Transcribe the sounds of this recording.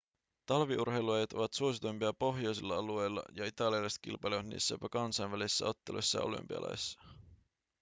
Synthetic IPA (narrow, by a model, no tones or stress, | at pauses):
t̪ɑlʋiʔurɦejluɑjɑt̪o̞ʋɑt̪suo̞sit̪ujmpiɑpo̞ɦjo̞jsilːɑɑluejlːɑ̰jɑit̪ɑliɑlɑjst̪kḭlpɑjleʋɑt̪nḭːsːæjopɑkɑnsɑjnʋælisisːæ̰o̞t̪ːelṵjsːɑ̰ɑʔo̰ly̰mpiɑ̰lɑ̰jsːɑ̥